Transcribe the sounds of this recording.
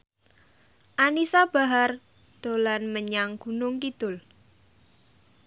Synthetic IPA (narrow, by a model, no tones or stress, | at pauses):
ʔanisab̥a̤ɦar | d̪̥o̤lanməɲaŋɡ̥ṳnʊŋkid̪̥ʊl